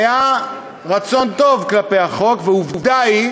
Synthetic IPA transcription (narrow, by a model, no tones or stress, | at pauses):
ja | ʁat͡so̞nt̪o̞vklapejhaχo̞kveuvud̪aj